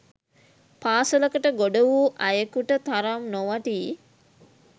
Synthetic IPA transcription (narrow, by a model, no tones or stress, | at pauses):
paːsələkəʈəɡoɖəʋuːʔajəkuʈət̪aɾamnoʋaʈiː